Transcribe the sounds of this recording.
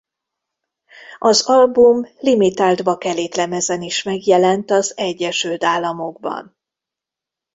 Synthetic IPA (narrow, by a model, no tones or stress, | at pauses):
ɒzɒlbumlimit̪aːld̪bɒkɛleːt̪lɛmɛzɛniʃmɛɡjɛlɛnt̪ɒzɛɟːɛʃylt̪aːlːɒmo̞ɡbɒ̰n